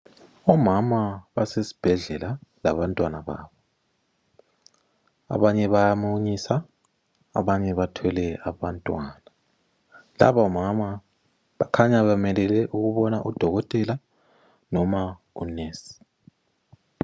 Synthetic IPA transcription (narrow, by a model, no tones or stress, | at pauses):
ɔmamaβasesi̥b̥ʱɛɮɛlala̰βantʼwanaβa̰ːβɔ | a̰βaɲɛβajamuɲisa | a̰βaɲɛβatʰɔlɛaβantʼwaːna | la̰βaɔmama | βakʰaɲaβamɛlɛlɛʔuɣuβɔnaʔud̥ʱɔɣɔtʼɛla | nɔma | uneːsi̥